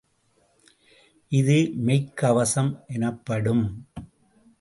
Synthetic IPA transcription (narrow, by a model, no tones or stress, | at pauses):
ʔɪðɯmɐɪkːɐʋɐsɐmʔɛnɐpːɐɽɯm